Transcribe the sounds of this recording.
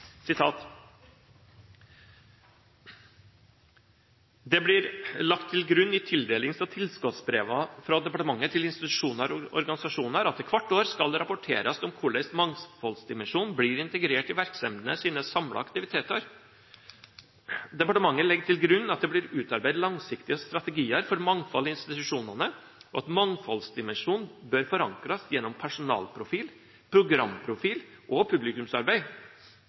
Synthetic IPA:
sɪt̪ʰɑːt̪ | d̪ɛblɪɾlɑkt̪ʰːɪlɡɾʉnːɪt̪ʰɪld̪eːlɪŋsɑt̪ʰɪlskɔt̪sbɾeːʋɑfɾɑd̪ɛpɑʈəmɑŋːət̪ʰɪlɪnst̪ɪt̪ʉ̥ʂuːnəɾɔ̰ɾɡɑnɪsɑʂuːnəɾɑt̪ːɪkʰʋɑʈːoːɾskɑlɾɑpɔʈʰḛːɾɑsɔmkʰʊɭɛɪsmɑŋsfɔlsd̪ɪmɛnʂuːnbliɾɪnt̪əɡɾeːʈɪʋæɾksɛmd̪nəsiːnəsɑmlɑ̰ɑkt̪ɪʋɪt̪ʰeːt̪əɾ | d̪ɛpɑʈəmɑŋːəlɛɡəʈ̪ʰɪlɡɾʉnːɑt̪̚d̪ɛblɪɾʉːt̪ɑɾbæɪd̪lɑŋsɪkt̪ɪəst̪ɾɑt̪ɛɡiːəɾfɔɾmɑŋfɔlːɪɪnst̪ɪt̪ʉʂuːnɑnə | ʔɔɑt̪mɑŋfɔlsd̪ɪmɛnʂuːnbøɾfɔɾɑŋkɾɑsjɛnːɔmpʰæʂʊnɑ̰ːlpʰɾʊfiːl | pʰɾʊɡɾɑmːpʰɾʊfiːlʔɔpʰʉblɪkʉmsɑ̰ɾbæɪ

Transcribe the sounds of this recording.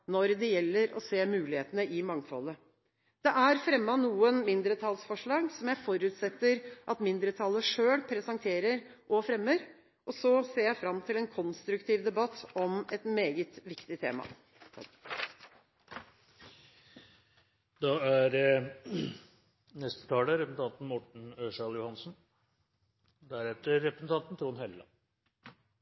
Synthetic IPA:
nɔɾd̪ɛjɛlːəɾɔ̰seːmʉːlɪheːt̪ənəʔɪmɑŋfɔ̰lːə | d̪̥ɛʔæɾfɾɛmːɑnuːənmɪnd̪ɾət̪ʰɑlsfɔʂɭɑːɡsɔmjæɪfɔɾʉːt̪sɛt̪ːəɾʔɑt̪mɪnd̪ɾət̪ʰɑlːəʂøːɽpʰɾɛsɑŋt̪ʰeːɾəɾʔɔfɾɛmːəɾ | ʔɔsɔseːɾjæɪfɾɑmːt̪ʰɪlɛnkʰɔnst̪ɾʉkt̪ʰiːʋd̪ɛbɑt̪ːɔmɛt̪meːɡət̪ʋɪkt̪ɪt̪ʰḛːmɑ̰ | d̪ɑæɾ | nɛst̪ə̥t̪ʰɑːləɾɛsn̩t̪ʰɑnt̪n̩mɔʈɳ̩øːʂɑljʊhɑnsn̩ | d̪æɾɛt̪əɾːɛpɾəsnt̪ʰɑnt̪n̩t̪ɾuːnheləɑ̰

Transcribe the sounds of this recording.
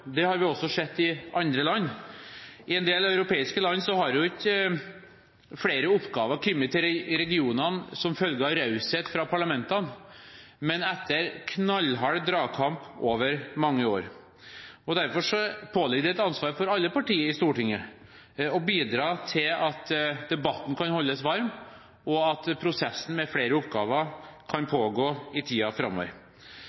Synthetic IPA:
d̪ɛhɑɾʋɪɔsːɔsɛt̪ːɪʔɑnd̪ɾəlɑnː | ʔɪɛnd̪eːlœʉɾʊpʰeːɪskəlɑnːsɔhɑɾʊɪkːə | fɽeːɾəʊpːɡɑːʋəɾkʰʏmːət̪ʰɪɾɾɛɡɪuːnənsɔmfœlɡəɾɑɾɑʉsheːt̪fɾɑpʰɑɭɑmɛnt̪ɑn | mɛnɛt̪ʰːəɾkʰnɑlːɦɑɽd̪ɾɑːkʰɑmpoːʋəɾmɑŋːəoːɾ | ɔd̪æɾfɔʂɔpʰoːlɪɡd̪ɛɛt̪ɑnsʋɑːɾfɔɾɑlːəpɑʈiːəɾɪst̪uːʈɪŋːə | ɔbiːd̪ɾɑːt̪ʰɪlɑt̪d̪̥ɛbɑt̪ːn̩kʰɑnhɔlːəsʋɑɾm | ɔɑt̪pʰɾʊsɛsːən̩mɛfɽeːɾəʊpɡɑːʋəɾkʰɑnpʰoːɡoːɪt̪ʰiːɑfɾɑmːɔ̰ʋə̰ɾ

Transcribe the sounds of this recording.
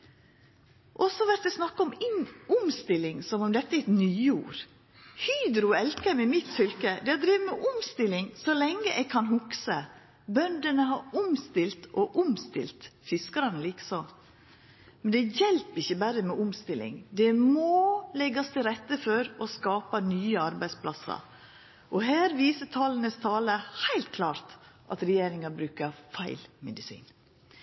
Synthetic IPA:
ʔɔsɔʋæɾt̪ɛsnɑkːəɔmɪnʊmst̪ɪlɪŋsɔmʊmd̪ɛt̪ːəæɛt̪nyːuːɾ | hyːd̪ɾʊɛlkəmɛmɪt̪sʏlkəd̪ɛhɑd̪ɾiːʋəmɛʔʊmst̪ɪlːɪŋsɔlɛŋːəʔɛɡ̚kʰɑnɦʊksə | bœnd̪ənəɦɑɾʊmst̪ɪlt̪ʔɔʔʊmst̪ɪ̰lt̪fɪskəɾɑnəliːkə̥sɔ | mɛnd̪ɛjɛlpɪçːəbæɾəmɛʔʊmst̪ɪlɪ̰ŋd̪ɛmolɛɡɑst̪ʰɪlɾɛt̪ːəfɔɾɔskɑːpɑnyːəɑɾbæɪspʰlɑsːɑ̰ɾ | ʔɔɦæːɾʋiːsət̪ʰɑːlənəst̪ʰɑːləhæɪlt̪̚kʰlɑːɾt̪ʔɑt̪ɾɛjeːɾɪŋɑbɾʉːkəɾfæɪlmɛd̪ɪsḭːn

